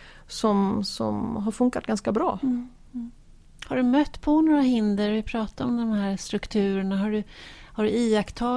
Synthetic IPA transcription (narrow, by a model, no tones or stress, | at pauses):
sɔmsɔ̰mɦaɾfɵŋkːa̰t̪̚ɡanskabɾɑ̰ː | haɖɵmœt̪ːpʰɔnoːɾaɦɪnd̪əɾvɪpʰɾɑːt̪aɾɔmd̪ɔmhæːɾst̪ɾɵkt̪ʰʉ̟ːɾəɳaɦaɖɵhaɖɵiːakt̪ʰɑː